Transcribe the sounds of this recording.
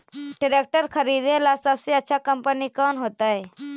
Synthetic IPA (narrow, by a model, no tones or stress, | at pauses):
ɖɪɾeːk̚ʈəɾkʰɐɾiːd̪elasɐbseɐtːʃʰakɐ̃mpənikɔːnɦoːt̪aɦɛː